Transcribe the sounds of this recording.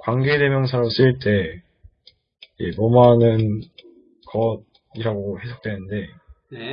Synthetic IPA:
kwaŋɡede̞mjʌŋsʰaɾams͈ɯɭt͈e̞ | jḛmʌmanɯn | kʌd̚ | iɾaɡohe̞sʰak̚t͈we̞nɯnde̞

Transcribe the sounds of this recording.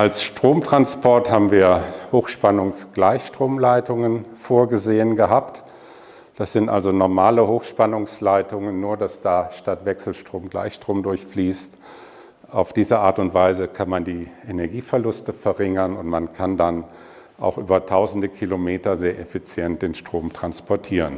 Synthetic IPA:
ʔalsʃtʁ̥oːmtʁ̥anspɔɐthaːbm̩viːɐhoːxʃpanʊŋsɡ̥laɪçʃtʁ̥oːmlaɪtʊŋənfoːɐɡəzeːənɡəɦaːpt | d̥asz̥ɪntʔa̰lzonɔɐmaːləhoːxʃpanʊŋslaɪtʊŋənːuːɐdasd̥aːʃtatv̥ɛksl̩ʃtʁ̥oːmɡla̰ɪçʃtʁ̥oːmdʊɐçfliːst | ʔaʊfd̥iːzəʔaːɐtʊntv̥aɪzəkʰanmandiːʔenɛɐɡiːfɛɐlʊstəfɛɐʁɪŋɐnʊntmankʰandan | ʔa̰ʊxʔy̰ːbɐtʰaʊzn̩dəkʰilomeːtɐzeːɐʔefit͡sjɛnt̚d̥eːnʃtʁ̥oːmtʁ̥anspɔɐtʰiːʁən

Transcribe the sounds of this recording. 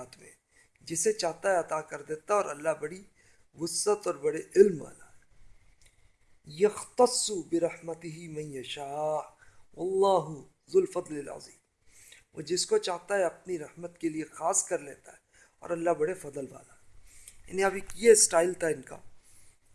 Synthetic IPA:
aːt̪mḛ̃ | d͡ʒɪset͡ʃaːɦt̪aɦɛɐt̪aːkɐɾd̪eːt̪aɔːɾɐlːaɦbɐɽi | ʋʊsːət̪ɔːɾbɐɽeʔɪlma̰ːlaɦɛ | jɐxt̪ɐsːubɪɾɐħmɐt̪ɪɦɪmɐ̃njɐʃaːħwɐlˤːɑːɦʊ | zʊlfɐd̪ˤlɪlʕɐ̰ziːm | ɔ̰ːd͡ʒɪskot͡ʃaːɦt̪aɦɛɐp̚niɾɐhmət̪keliexaːskɐɾleːt̪aɦɛ | ɔ̰ːɾɐlːaɦbɐɽefɐd̪əlʋa̰ːlaɦɛja̰ːniɐbɪkjesʈaːɪlt̪ʰaɪnka̰ː

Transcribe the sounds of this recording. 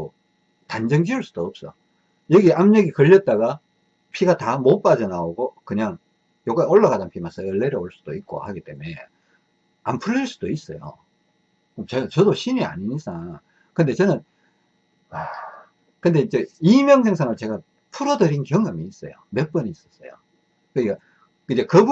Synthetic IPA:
o | tand͡ʑʌŋd͡ʑiuɭs͈ud̥oːp̚s͈ʌ̰o | jʌɡiʔamɲeɡikʌʎːʌt̚t͈aɡa | pʰiɡatamop͈ad͡ʑʌnaoɡokɯɲaŋ | joɡaoɭːaɡadanpʰimas͈ʰʌɯɭːeɾeoɭs͈u̥d̥oik̚k͈o̰haɡit͈e̞mue̞ | ampʰuɾiɭs͈ud̥ois͈ʌjo̰ | ot͡ɕeɡat͡ɕʌdoɕʰinia̰ɲiɲis͈a | kɯnde̞t͡ɕʌnɯn | kɯnde̞id͡ʑe̞imjʌŋs̬ʰe̞ŋsʰanɯɭt͡ɕe̞ɡa | pʰuɾodɯɾinkjʌŋɡɯmiːs͈ʌjo̰me̞p͈ʌniːs͈ʌ̥s͈ʌ̰jo̰ | kɯɲik͈a | ind͡ʑe̞kɯbu

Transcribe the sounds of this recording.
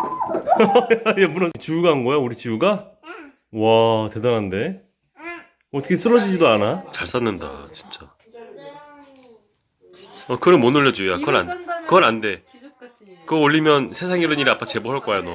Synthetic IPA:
jjebuɾʌt͡ɕijuɡaɦanɡʌjauɾit͡ɕijuɡa | wate̞danande̞ | ʌtʰʌkʰes͈ʰɯɾʌd͡ʑid͡ʑidoanat͡ɕaɭs͈anːɯnda̰t͡ɕi̥nt͡ɕ͈a | ʌkɯɾɯnmonuɭːʌd͡ʑujakɯɡʌna̰ndekɯɡʌnande̞ | kɯʌoʎːimjʌnsʰe̞sʰaŋiɾɯniɾiap͈ʰat͡ɕe̞boɦaɭk͈ʌajonʌ

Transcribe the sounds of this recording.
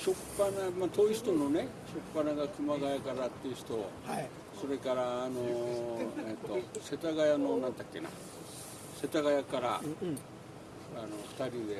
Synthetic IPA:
ɕo̞pːanamat̪o̞iɕi̥t̪o̞no̞ne | ɕo̞pːanaɡakɯ̟maɡajakaɾat̪ːeɯ̟ɕi̥t̪o̞ | so̞ɾe̞kaɾaːno̞ | et̪ːo̞se̞t̪aɡajano̞nãnd̪akːe̞̰na̰ | se̞t̪aɣajakaɾa | anoɸɯ̥t̪aɾʲid̪e̞

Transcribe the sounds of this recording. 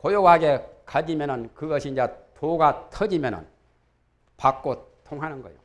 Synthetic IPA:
kojoɡaɡekad͡ʑimjʌnɯnkɯɡʌɕʰind͡ʑetʰoɡatʰʌd͡ʑimjʌnɯ̰n | pak̚k͈otʰoŋɦanɯnɡʌjo̰

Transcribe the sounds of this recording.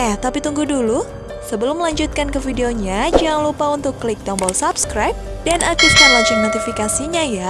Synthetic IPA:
at̪apit̪uŋɡudulu | səbəlʊmːəlaɲd͡ʒut̪̚kankəfideoɲad͡ʒaŋlupaunt̪ʊkːlɪk̚d̪ɔmbɔlsapskɾajp̚danakist̪anlaɲd͡ʒʊŋnot̪ifikasiɲaja

